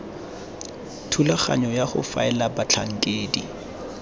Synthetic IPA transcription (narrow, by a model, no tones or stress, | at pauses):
tʰulaχa̰ɲɔjaχʊ̰fa̰ɛlabat͡ɬʰaŋ̩kʼeːdi